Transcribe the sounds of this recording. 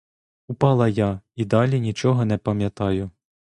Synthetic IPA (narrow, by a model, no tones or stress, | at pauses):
ʊpɑlˠɐjɑid̪ɑlʲinʲit͡ʃɔɦɔnɛpɐmʲjɐt̪ɑjʊ